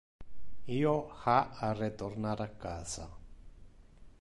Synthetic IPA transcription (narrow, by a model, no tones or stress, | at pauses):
iohaaret̪oɾnãɾakasa̰